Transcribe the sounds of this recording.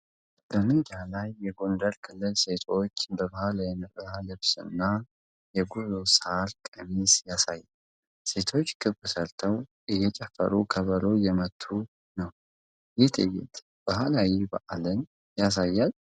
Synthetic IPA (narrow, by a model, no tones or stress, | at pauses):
bəmɨd͡ʒalajːɛɡo̞ndəlkʰɨlːɨlse̞t̪ʰo̞t͡ʃːbəβahalajɛnɨʔəhalɨβsɨ̰nːa | jɛɡuzoshalkʼəmisjasajːal | se̞t̪ʰo̞t͡ʃːkʰɨbːɨsəlt̪ʰəw | ʔɨjːɛt͡ʃʼɛfːə̰ɾukʰəβəlojɛmət̪ʰːu | nəw | jɪt̪ʼɨ̰jɛ̰t̪ʼ | b̥ahalawiba̰ʔalɨn | jas̬ajːal